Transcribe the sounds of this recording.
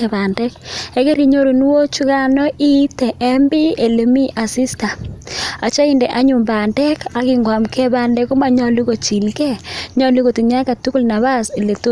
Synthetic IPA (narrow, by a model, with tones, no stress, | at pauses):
ɛ˨ba˨ndɛ˦kɛ˨ke˦ɾi˨ɲo˦ɾo˨n˦wo˦t͡ʃu˦ka˦nɔ˦ʔi˦tɛ˨ʔɛ˦mbi˦e˨le˨mi˦ʔa˨si˦sta˨a˨t͡ʃa˦i˦nde˨ʔa˦ɲu˨mba˨ndɛ˦ka˨kɪ˨ŋɡwa˨mkʰɛ˦ba˨ndɛ˦ko˦ma˦ɲɔ˦lu˦ko˨t͡ʃi˨lkɛ˦ɲɔ˦lu˦ɣo˨ti˨ɲa˦ka˨tu˦ku˦lna˨βa˦se˨le˨to˦